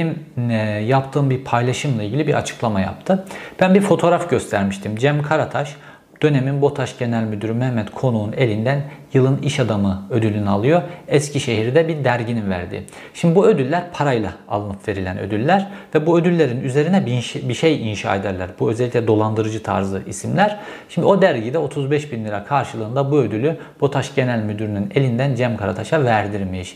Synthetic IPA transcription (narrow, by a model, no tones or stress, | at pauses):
m | japt̪ʰɯːmbiɾpʰajlˠaʃɯmlˠailʲɟilʲibiɾʔa̰t͡ʃʰɯ̥klˠamaja̰p̚t̪ʰɯb̥ænbiɾfo̞t̪ʰo̞ːɾafɟø̞st̪ʰæɾmiʃt̪ʰimd͡ʒæmkʰaɾat̪ʰaʃ | d̪̥ø̞ne̞minbo̞t̪ʰaʃɟe̞nælʲmyd̪yɾymɛhmːɛt̪kʰo̞nuune̞lʲind̪ænjɯlˠɯniʃad̪amɯø̞d̪ylʲynɛalˠɯjo̞ɛscʰiʃe̞ɦiɾd̪ɛbiɾd̪æɾɟininvæ̰ɾd̪ɪ̰ | ʃimd̪ibuø̞d̪ylʲːæɾpʰaɾajlˠaa̰lˠɯnɯpve̞ɾilʲænø̰d̪ylʲːæɾvɛbuød̪ylʲːe̞ɾinyze̞ɾinɛbbiʃejinʃa̰ːed̪æɾlʲæɾbuø̞zɛlʲːicʲlʲɛd̪o̞lˠand̪ɯɾɯd͡ʒɯt̪ʰa̰ɾzɯʔisimlʲæɾ̥ʃimd̪io̞d̪æɾɟid̪ɛo̞t̪ʰuzbɛʃbinlʲiɾakʰaɾʃɯlˠɯːnd̪abuø̞d̪ylʲy | bot̪ʰaʃɟe̞nælʲmyd̪yɾynyne̞lʲind̪ænd͡ʒæmkʰaɾat̪ʰaʃavæɾd̪iɾmejiʃ